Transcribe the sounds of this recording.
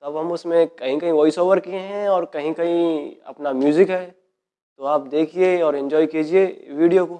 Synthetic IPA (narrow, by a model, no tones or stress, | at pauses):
t̪ɐbɦɐmʊsmẽkɐɦĩkɐɦĩʋɔːɪsoːʋəɾkieɦɛ̃ɔːɾkɐɦĩkɐɦĩɐ̰pnamjuːzɪkɦɛː | t̪oaːp̚d̪eːkʰieɔːɾɪ̃nd͡ʒɔːikiːd͡ʒieʋiːɖijoko